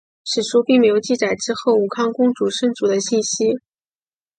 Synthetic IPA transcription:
ʂɻ̩˨˩ʂʰu˥pi˥˩ŋme˧˥ɪjo˨˩ʊt͡ɕi˥˩t͡sa˨˩ɪʈ͡ʂɻ̩˥xo˥˩ʊu˨˩kʰɑ˥ŋkʊ˥ŋʈ͡ʂu˨˩ʂɤ˥˩ŋt͡su˨˩d̪ə˦ɕi˥˩nɕi˥

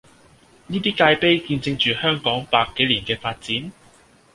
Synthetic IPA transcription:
niː˥t̪iː˥kaː˧jpe˥jkiː˧nt͡sɪ˧ŋt͡ʃyː˨hœː˥ŋkɔː˨˥ŋpaː˧kːe˨˥jliː˨˩nkɛː˧faː˧t̚t͡siː˨˥n

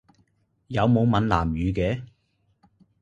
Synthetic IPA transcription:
jɐ˨˧wmo˨˧wmɐ˨˧nla̰ː˨˩mjyː˨˧kɛː˨˥

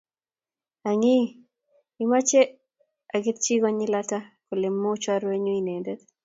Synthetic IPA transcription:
a˨ŋɪ˦ | ɪ˦ma˦t͡ʃe˦ | a˨ɡɪ˦t̪̚t͡ʃi˦ɡɔ˦ɲi˦la˦ta˦ko˨lɪ˨mːo˦t͡ʃwa˦ɾwe˦ɲo˦i˨ne˨ndɛ˦t̪

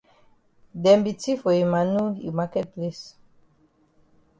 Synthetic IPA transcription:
dɛ̃˨mbi˨ti˦fɔ˨i˨ma˨nu˦ḭ˨ma˦kɛ˦t̚ple˦s

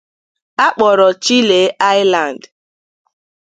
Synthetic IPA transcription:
a˦k͡pɔ˨ɾɔ˨t͡ʃi˦le˨˦ʔa˦jɪ˦la˨n˨d

